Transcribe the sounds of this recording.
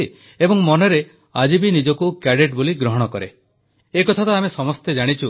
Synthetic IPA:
ebɔŋmɔnɔɾe | ad͡ʒibinid͡ʒɔkukaɽeʈboliɡɾɔɦɔɽ̃ɔkɔɾḛ | ekɔt̪ʰat̪ɔamesɔmɔst̪ed͡ʒaɽ̃it͡ʃʰu

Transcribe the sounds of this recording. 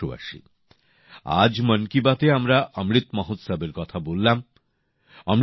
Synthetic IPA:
oa̰ʃḭ | a̰d͡ʑmənkibat̪eamɾaʔʌmɾit̪mɔɦut̪sabeɾkɔt̪ʰabolːam | ʌmɾ

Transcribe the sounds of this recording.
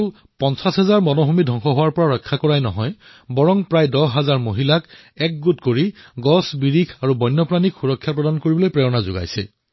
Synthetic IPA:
l | pɔnsasɦɛzaɹmɔnoɦumidʱɔŋxɔɦowaɹpɔɹaɹɔjkʰːakɔɹajnɔɦɔj | bɔɹɔŋpɹajdɔɦazaɹmoɦilak | ɛk̚ɡutkoɹiɡɔsbiɹikʰaɹubɔjnːɔpɹanikxuɹɔkʰːjapɹɔdankoɹibɔlojpɹɛjɔnazʊɡa̰jsɛ̰

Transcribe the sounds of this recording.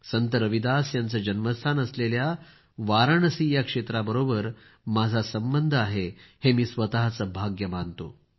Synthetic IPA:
sənt̪əɾəʋid̪asjant͡səːd͡ʑənməst̪ʰanəslelja | ʋaɾəɳəsijakʂet̪ɾabəɾobəɾ | mad͡zʱasəmbənd̪ʱaɦehemiːsʋət̪aɦt͡səbʱaɡjəmant̪o̰

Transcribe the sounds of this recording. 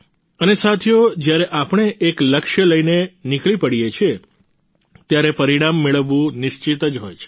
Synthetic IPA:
ənesat̪ʰjod͡ʒjaɾeʔapəɳ̃eʔːkləkʃjələinenikɭipəɽijet͡ʃʰie | t̪jaɾepəɾiɽ̃amːeɭəʋːũnɪʃt͡ʃit̪əd͡ʒɦojt͡ʃʰe̥

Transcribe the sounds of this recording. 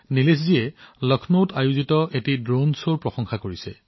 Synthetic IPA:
niles̬zijɛlɔkʰnotajuzitɔʔetidɹonsoɹpɹɔxɔŋxakoɹisɛ̰

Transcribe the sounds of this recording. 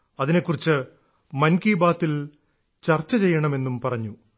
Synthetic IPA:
ɐðine̞kːurit͡ɕːɨ | mɐnkiːbaːt̪ːil | t͡ɕɐrt͡ɕːɐt͡ɕe̞jːɐɳɐme̞nːumpɐrɐɲːu

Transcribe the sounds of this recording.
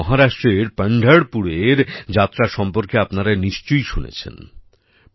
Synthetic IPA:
ɔɦaɾaʃʈɾeɾpaɳɖʱaɽpuɽeɾd͡ʑat̪ːɾaʃɔmpoɾkeapnaɾaniʃt͡ɕojʃunḛt͡ɕʰḛn

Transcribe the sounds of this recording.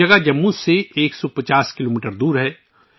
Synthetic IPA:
ɐɡad͡ʒɐmːuseeːksɔpɐt͡ʃaːskɪloːmiːʈəɾd̪uːɾɦɛː

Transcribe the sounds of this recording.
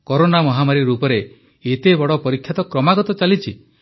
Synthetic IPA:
kɔɾonamɔɦamaɾiɾupɔɾe | et̪ebɔɽɔpɔɾikʰːjat̪ɔkɾɔmaɡɔt̪ɔt͡ʃalit͡ʃʰi

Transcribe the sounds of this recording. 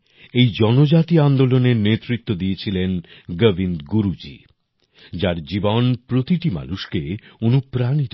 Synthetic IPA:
ejd͡ʑɔnod͡ʑat̪iand̪oloneɾnet̪ːɾit̪ːod̪iet͡ɕʰilenɡəbʱind̪ɡuɾud͡ʑḭ | d͡ʑaɾd͡ʑibonpɾot̪iʈima̰nuʃkeonupɾanit̪o

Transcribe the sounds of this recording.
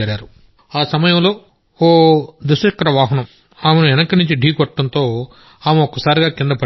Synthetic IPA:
ɐɾaːɾu | aːsɐmɐjɐmlo̞ː | oːd̪usɐkːɐɾɐʋaːɦɐnɐm | aːmenuɛnɐkɐnuɲt͡ʃiɖʱiːkɔʈːɐnt̪o̞ː | aːmuɔkːɐsaːɾiɡaːkind̪ɐpɐ

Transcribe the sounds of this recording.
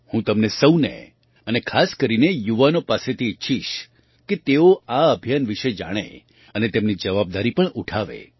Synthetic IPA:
hũt̪əmnesəwnḛ | ənekʰaskəɾinejuʋanopaset̪ʰiːtːʃʰiʃ | ket̪eoaəbʱjanʋiʃed͡ʒa̰ɽ̃ḛ | ənet̪emnid͡ʒəʋab̚d̪aɾipəɳʔuʈʰaʋḛ

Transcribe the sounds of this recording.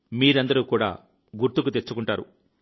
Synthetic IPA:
miːɾɐnd̪ɐɾuːkuːɽa̰ː | ɡuɾt̪ukut̪e̞t͡ʃːukuɳʈaːɾṵ

